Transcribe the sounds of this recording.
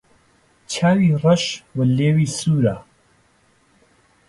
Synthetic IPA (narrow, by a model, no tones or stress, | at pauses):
t͡ʃʰaːwiːrˤɐʃwɐleːwiːsuːɾaː